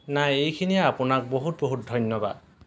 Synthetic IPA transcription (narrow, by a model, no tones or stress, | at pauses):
najejkʰinijaapunak̚boɦut̪̚boɦut̚d̪ʱɔjnjɔba̰d̪